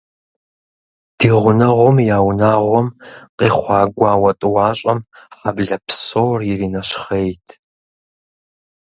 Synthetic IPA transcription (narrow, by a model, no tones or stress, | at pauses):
d̥iːʁʷʊnɐʁʷɔmjaːwnaːʁʷɔmqʼiːχʷɑːɡʷɑːwɐtʼɨwɑːɕʼɐmħabɮɐpʰsoːrjɪrinɐʃχejtʰ